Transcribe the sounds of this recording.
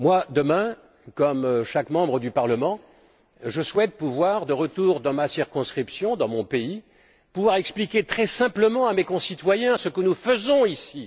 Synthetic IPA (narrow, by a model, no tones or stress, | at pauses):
mwad̪əmɛ̃ | kɔmʃakmɑ̃bʁəd̪ypaʁləmɑ̃ | ʒəswɛt̪̚puvwaʁd̪əʁət̪uʁd̪ɑ̃masiʁkɔ̃skχipsjɔ̃d̪ɑ̃mɔ̃pei | puvwaʁɛksplikʲet̪χɛsɛ̃pləmɑ̃amekɔ̃sit̪wajɛ̃səkənufəzɔ̃isi